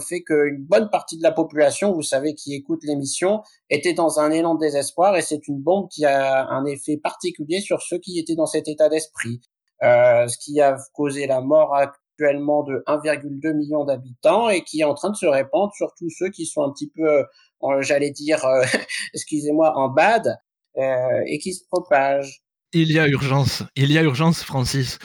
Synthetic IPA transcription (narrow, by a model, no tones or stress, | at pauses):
fɛkəynbɔnpaʁt̪id̪əlapɔpylasjɔ̃vusavekʰʲiekut̪lemisjɔ̃ | et̪ɛd̪ɑ̃zɛ̃nelɑ̃d̪əd̪ezɛspwaʁesɛt̪ynbɔ̃b̚kʲiaɛ̃nefɛpaʁt̪ikʲyljesyʁsøkʲiet̪ɛd̪ɑ̃sɛt̪et̪ad̪ɛspχi | øsə̥kʲiakozelamɔʁak̚t̪ɥɛlmɑ̃d̪əʔɛ̃viʁɡʲyld̪ømiljɔ̃d̪abit̪ɑ̃ekʲiɛɑ̃t̪χɛ̃d̪əsəʁepɑ̃d̪ʁəsyʁt̪usøkʲisɔ̃ɛ̃pət̪ipø | ʒalɛd̪iʁøɛskʲyzemwaʔɑ̃bad̪ | øḛkʲisə̥pχɔpaʒ | ilijayʁʒɑ̃siliayʁʒɑ̃sfχɑ̃sis